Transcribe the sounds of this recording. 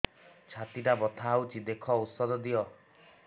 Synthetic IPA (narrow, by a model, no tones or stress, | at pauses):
t͡ʃʰat̪iʈabɔt̪ʰaɦawt͡ʃʰid̪ekʰɔut̪sɔd̪ɔd̪iɔ